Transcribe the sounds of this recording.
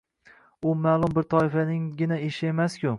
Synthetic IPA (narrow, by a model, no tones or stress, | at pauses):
ʊmaːlˠʊmbɪɾt̪ʰɒɪfanɪŋɡʲɪnaeʃɪe̞maskʲʊ